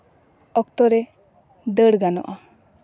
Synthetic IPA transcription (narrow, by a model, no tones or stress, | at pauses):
ɔk̚t̪ɔɾɛ | d̪əɽɡanɔ̰ʔa